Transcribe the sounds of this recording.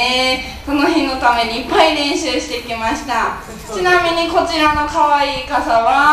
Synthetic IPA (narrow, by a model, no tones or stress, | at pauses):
e | so̞no̞ɦẽ̞nːo̞t̪ame̞ɲ̟iːpːaiɾẽ̞ɰ̃ɕɨːɕi̥t̪e̞ikʲimaɕi̥t̪a | t͡ɕinamʲiɲ̟iko̞t͡ɕiɾano̞kaβaiːkasaβa